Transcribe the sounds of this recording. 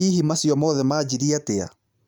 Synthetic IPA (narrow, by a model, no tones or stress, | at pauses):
ihɦimasjɔmɔðɛmaːd͡ʑiɾiatea̰